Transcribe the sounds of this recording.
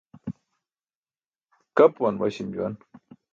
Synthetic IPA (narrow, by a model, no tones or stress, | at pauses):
kapwanwaʃɪmjuan